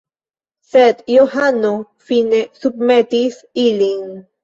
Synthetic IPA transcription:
set̪johano | finesub̚met̪is | iliŋ

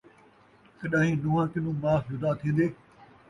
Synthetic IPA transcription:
kəɗãːɦĩːnʊːãːkɪnũːmaːfjʊd̪aːt̪ʰĩːn̆d̪eː

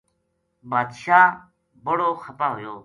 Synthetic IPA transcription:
baːd̪ʃaː | bəɽoːxət̪aːɦʊjoː

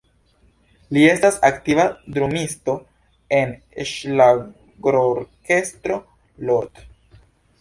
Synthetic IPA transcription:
lie̞stasaktivadɾumisto̞ | e̞n | ʃla | ɡɾoɾke̞stɾo̞ | loɾt

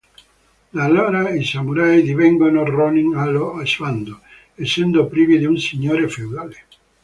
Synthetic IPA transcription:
d̪aloɾaisamuɾajd̪iβeŋɡonoronĩŋaloasand̪o | esend̪opɾiβiðeunsiɲoɾefewðale

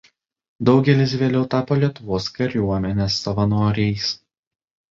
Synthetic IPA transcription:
d̪ɒʊɡʲɛlʲɪs̬ʋʲeːlʲɛʊt̪ɑːpoːlʲiɛt̪ʊʋoːskɐɾʲuɔmʲɛnʲɛsːɐʋɐnoːɾʲɛjs

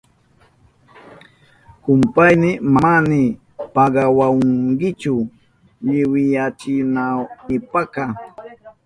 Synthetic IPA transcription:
kʊmpajnɪmaanɪ | paɢɑwawŋɡɪt͡ʃʊ | ʎɪwɪjat͡ʃɪnawnɪpaka

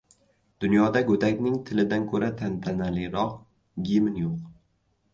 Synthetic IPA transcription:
d̪̥ʊnjɒd̪aɡɵt̪akʲnɪŋt̪ʰɪlɪd̪ankʰɵɾat̪ʰant̪ʰanalɪɾɒq | ɡʲimɪnjoq

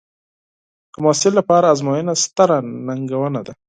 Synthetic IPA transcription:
d̪̥əmɑsɪlːapɑɾaːzmɑjənast̪aɾanaŋɡawənad̪a

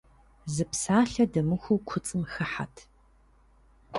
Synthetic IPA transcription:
zɨpsaːɬɐdɐmɨxʷukʷʰʊt͡sʼɨmxɐħa̰tʰ

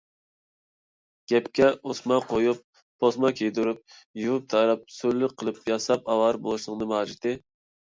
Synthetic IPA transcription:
ɡ̥ʲɛpkʲɛusmɑqʰojup̚ːʰ | osmɑkʲʰejd̪uɾup̚juvɨp̚t̪ʰɑjɾɑp̚sølːɪqʰːəlˠɨpjɑsɑp̚ɑwɑɾbolˠuʃlˠɨŋd̪ɨmɑːd͡ʒit̪ɪ

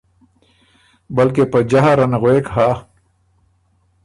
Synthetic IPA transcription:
bəlkepəd͡ʒaɦaɾanɣwekɦa

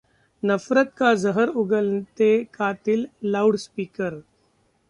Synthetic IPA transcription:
nɐfɾət̪̚kazəɦəɾʊɡəlt̪ekaːt̪ɪlːaːɽspiːkəɾ

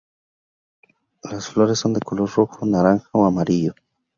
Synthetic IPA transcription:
lasfloɾesːo̞nd̪ekoloɾroxonaɾaŋxaoamaɾiʎo

